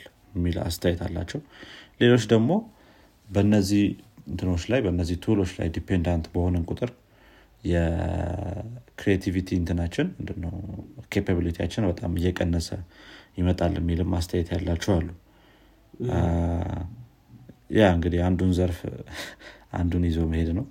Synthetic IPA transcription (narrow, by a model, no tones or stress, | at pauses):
mːila̰st̪ʰəjɛt̪ʰa̰lːa̰t͡ʃːɛwle̞lo̞t͡ʃːd̪əɡmo̞ | bənːəzːihɨnt̪ʰɨno̞t͡ʃːlajbəɨnːəzːiht̪ʰulo̞t͡ʃːla̰jd̪ipʰend̪ant̪bəho̞nənkʼut̪ʼɨɾ | jɛ | kɾiet̪ʰivit̪ʰiɨnt̪ʰɨnat͡ʃːɪnmɨnd̪ɨnːəwkʰepʰaβilit̪ija̰t͡ʃːɪnbət̪ʼa̰mɨjːɛkʼənːəsəjɪmət̪ʼalːəmːilɨmːʔast̪ʰəjɛt̪ʰjalːat͡ʃːɛwalːu | jʔaɨŋɡɨd̪ihand̪unzəɾf | ʔa̰nd̪unjɪzo̞məhe̞d̪nəw